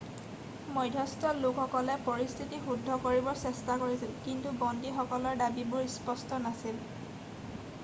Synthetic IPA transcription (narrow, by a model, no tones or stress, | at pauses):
mɔjdʱɔstɔlʊkʰxɔkɔlɛpoɹist̪ʰitixudʱːɔkoɹibɔɹsɛstakoɹisilkintubɔndixɔkɔlɔɹdabibʊɹspɔstɔnasil